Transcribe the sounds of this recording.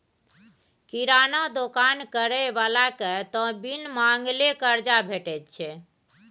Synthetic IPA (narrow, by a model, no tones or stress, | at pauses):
kiɾanad̪okankəɾɛʋalaket̪ɔ̃binmaŋɡlekəɾd͡ʒabʱeʈɛt̪̚t͡ʃʰɛ